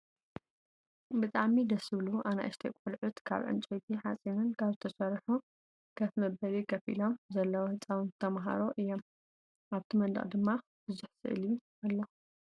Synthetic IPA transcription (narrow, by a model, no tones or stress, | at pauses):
bɨt̪ʼaʕmid̪ɐsɨβluʔana̰ʔɨʃt̪ʰekʷʼulʕʊt̪kʰa̰βʕɨ̰nt͡ʃʼejt̪ʰiħasʼinɨnkʰaβzɨt̪ʰɐsɐɾħu | ɡ̥ɐfmɐbɐɾikʰɐfḭlo̞mzɐlːɐwohɨt͡sʼːawɨnzɨt̪ʰɐmɦa̰ɾoʔɨjːo̞m | ʔaβt̪ʰimɐnd̪ɐ̰χʼd̪ɨmːa | b̥ɨzʊħsɨ̰ʔɨlju | alːo